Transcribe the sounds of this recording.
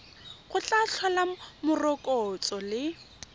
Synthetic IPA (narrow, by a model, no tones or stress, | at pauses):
χʊt͡ɬʼaɬʰɔlamʊrɔkʼɔt͡sʼɔlɪ